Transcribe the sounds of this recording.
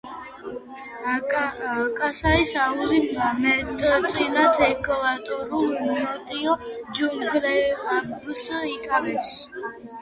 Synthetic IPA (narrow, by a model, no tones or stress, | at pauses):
kʼasaisauzimamɛt̪ʼt̪ʼilat̪ʰɛkʼvat̪ʼɔɾulnɔt̪ʼiɔd͡ʒuŋɡlɛanbsikʼavɛps